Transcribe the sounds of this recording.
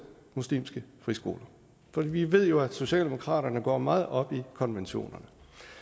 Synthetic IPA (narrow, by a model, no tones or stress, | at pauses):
muslḭːmsɡ̥əfʁisɡ̥o̝ːlɐ | fɒ̽d̥ḭːʋiʋe̝ð̞̰ˠjo̝æso̝ɕɛ̰ːld̥e̝mokʰʁɑ̰̈ːɾɐnəɡ̥ɒ̰ːmɑ̈ːð̞̩ˠɒ̽b̥ikʰɒ̽nʋenɕo̝̰ːnɐnə